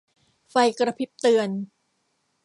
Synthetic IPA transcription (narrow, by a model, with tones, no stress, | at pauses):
fa˧jkɾa˧pʰi˦˥p̚t̪ɯ˧ən